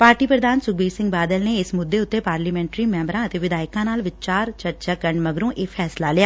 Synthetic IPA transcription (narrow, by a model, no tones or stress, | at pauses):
paːɾʈiːpɾəd̪aːnsʊkbiːɾsɪ̃ŋɡbaːd̪əlneːɪsmʊd̪ːeːʊt̪ːeːpaːɾliːmɛ̃ːɳʈɾiːmɛ̃ːmbɾãːət̪eːʋɪd̪aːɪkãːnaːlʋɪt͡ʃaːɾt͡ʃəɾt͡ʃaːkəɾɳməɡɾõːʔeːpʰɛːslaːlɪjaː